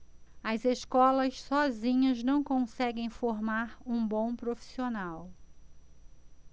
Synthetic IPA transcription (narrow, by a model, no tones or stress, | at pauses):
ɐzeskɔlɐssɔzĩɲɐznɐ̃w̃kõsɛɡẽj̃foɾmaɾũbõw̃pɾofi̥sionaw